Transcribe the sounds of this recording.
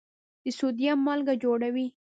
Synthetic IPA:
d̪̥əsud̪jamːalɡad͡ʒoɽawi

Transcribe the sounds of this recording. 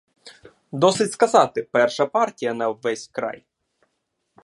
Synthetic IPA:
d̪ɔsɪtʲskɐzɑt̪ɪpɛrʃɐpɑrtʲijɐnɐʋɛsʲkɾɑ̰j

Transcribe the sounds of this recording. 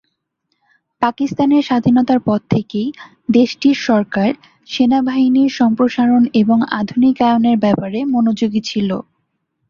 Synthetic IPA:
pakist̪aneɾʃad̪ʱinɔt̪aɾpɔd̚t̪ʰːekej | d̪eʃʈiɾʃɔɾkaɾ | ʃenabʱaɦiniɾʃɔmpɾoʃaɾoneboŋa̰d̪ʱunikaeoneɾbɛpaɾemonod͡ʑoɡit͡ɕʰilo

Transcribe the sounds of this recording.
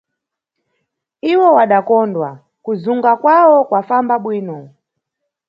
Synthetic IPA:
iwɔwaɗakɔndwa | kuzuŋɡakwawɔkwafambaɓwiːnɔ

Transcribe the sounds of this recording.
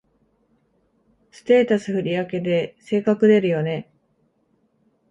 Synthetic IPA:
sɨ̥t̪eːt̪asɨɸɯ̟ɾʲiake̞d̪e̞se̞ːkakɯ̟d̪e̞ɾɯ̟jo̞ne̞

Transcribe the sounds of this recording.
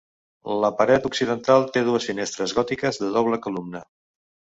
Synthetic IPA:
ləpəɾɛt̪uksiðənt̪alˠt̪eðuəsfinest̪ɾəzɣɔt̪ikəzðəðɔβləkulumnə

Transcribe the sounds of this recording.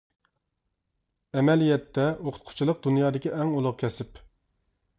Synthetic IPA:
ɛmɛlijɛt̪ʰːɛʔoqʰʊ̥t̪̚qʰʊ̥t͡ʃʰilˠəq̚d̪unjɑːd̪ɪkʲiʔɛŋulˠʊʁkʲʰɛsɪp

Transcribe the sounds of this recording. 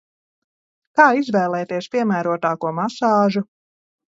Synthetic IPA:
kaːizvɛːlˠɛːt̪iɛspʲiɛmæːɾuɔt̪aːkuɔmasɑːʒu

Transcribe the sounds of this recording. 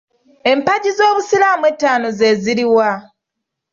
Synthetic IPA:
e̞mpaɟizo̞ːβusilaːmwetːaːno̞ze̞ziɾiwa

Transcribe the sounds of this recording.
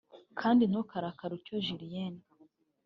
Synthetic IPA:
kʰaːndinokaɾakaɾucoʒiɾijeni

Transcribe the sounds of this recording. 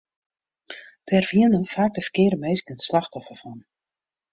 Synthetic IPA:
tɛrviənəfaːk̚dəfərkɪːɾəmeːskəntslaxtɔfəfɔn

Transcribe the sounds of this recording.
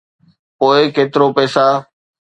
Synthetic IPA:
poːɪkeːt̪ɪɾopɛːsaː

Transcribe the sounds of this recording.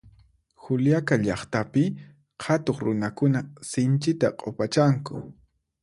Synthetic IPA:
xʊljakaʎɑχt̪apɪ | hat̪oχɾʊnakʊnasɪnt͡ʃɪt̪aqʼopat͡ʃaŋkʊ̰

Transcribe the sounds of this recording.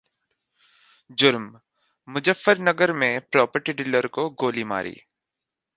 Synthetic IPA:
d͡ʒʊɾmː | ʊd͡ʒəfːəɾnɐɡəɾmẽpɾɔːpəɾʈiɖɪləɾkoɡoːlima̰ːɾḭː

